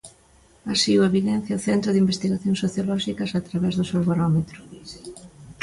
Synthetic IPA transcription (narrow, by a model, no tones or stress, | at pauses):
asiueβiðɛn̟θjɐʊθɛnt̪ɾʊðimbest̪iɣaθjõŋsoθjolɔʃikɐsat̪ɾaβɛzðʊsewβaɾɔmet̪ɾʊ